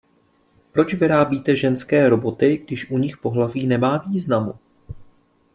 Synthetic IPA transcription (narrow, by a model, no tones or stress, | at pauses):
pɾo̞t͡ʃvɪɾaːbiːt̪ɛʒɛnskɛːɾo̞bo̞t̪ɪɡdɪʃʔuɲɪxpo̞ɦlaviːnɛmaːviːznamu